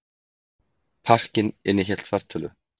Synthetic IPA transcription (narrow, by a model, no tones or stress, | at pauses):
pʰar̥cɪnɪnːɪçɛl̥t̪faɾ̥t̪ʰœlʏ̰